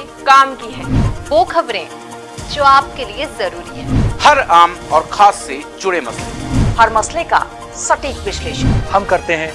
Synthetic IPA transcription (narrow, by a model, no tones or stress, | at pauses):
kaːmkiɦɛ̃ːʋoːkʰɐbɾẽ | d͡ʒoːaːp̚keliezɐɾuːɾiɦɛːhɐɾaːmɔːɾkʰaːsːed͡ʒʊɽemɐslehɐɾmɐsleka̰ | sɐʈiːkʋɪʃleːʃənhɐmkɐɾt̪eɦɛ̃ː